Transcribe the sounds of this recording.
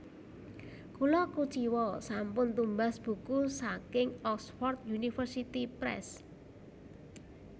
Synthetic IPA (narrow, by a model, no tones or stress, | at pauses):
kulɔkut͡ʃiwɔsampʊnt̪umbasb̥ṳkusakɪŋɔksfɔrt̪̚junifərsit̪ipɾɛ̰s